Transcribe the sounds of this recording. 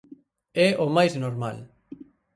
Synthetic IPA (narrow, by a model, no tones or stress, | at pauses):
ɛomajznoɾma̰l